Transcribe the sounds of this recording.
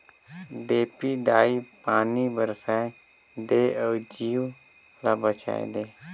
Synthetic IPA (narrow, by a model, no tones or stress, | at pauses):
d̪eːpiːɖaːiːpaːniːbəɾsaː | d̪eːəːd͡ʒiːʋ | laːbət͡ʃa̰ːḛd̪eː